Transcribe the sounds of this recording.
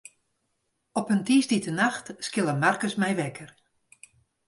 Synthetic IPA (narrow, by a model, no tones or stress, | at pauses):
ɔpəntiːsditənaxtskɪlˠəmarkəsmɛjʋɛkər